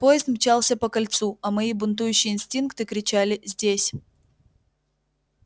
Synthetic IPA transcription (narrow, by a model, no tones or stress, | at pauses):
pojɪst̪mʲt͡ɕalˠsʲəpəkɐlʲt̪suɐmɐibʊnt̪̬ujʉɕːɪjəɪnsʲtʲinkt̪ɨkɾʲɪt͡ɕalʲɪzʲdʲesʲ